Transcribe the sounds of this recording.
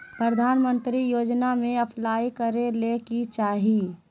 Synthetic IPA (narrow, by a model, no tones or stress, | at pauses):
pɾəd̪ʱaːnmə̃nt̪ɾijoːd͡ʒnamẽɐpʰlaːikəɾelekit͡ʃaːɦi